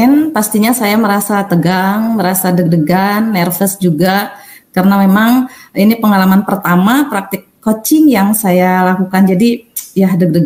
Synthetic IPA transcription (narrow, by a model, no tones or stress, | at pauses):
ɛnpast̪iɲasajaməɾasat̪əɡaŋməɾasadəɡ̚dəɡanːɛrfəsd͡ʒuɡa | karənamemaŋinipəŋalamanpərt̪amapɾak̚t̪ɪkːot͡ʃɪŋjaŋsajalakukand͡ʒadijahdəɡ̚dəɡ